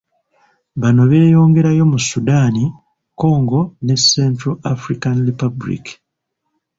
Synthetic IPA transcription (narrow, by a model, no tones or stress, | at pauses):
βano̞βe̞ːjo̞ːŋɡe̞ɾajo̞musːudaːni | ko̞ːŋɡo̞ne̞sːeːntɾoafɾikanɾipabulḭki̥